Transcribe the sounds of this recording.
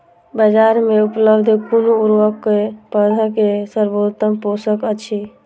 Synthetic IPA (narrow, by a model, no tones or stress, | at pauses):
bəd͡ʒaɾmeupləbd̪ʱekonouɾʋəkːepəd̪ʱəkesəɾbod̪t̪əmposəkət͡ʃʰi